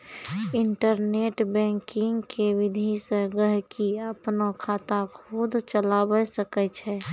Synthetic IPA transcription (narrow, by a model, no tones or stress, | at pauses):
ɪɳʈəɾneːʈbɛ̃ːŋkɪ̃ŋɡkeʋɪd̪ʱiseɡəɦkiəpnokʰaːt̪akʰud̪ʱt͡ʃəlaːbəsəkət͡ʃʰɛː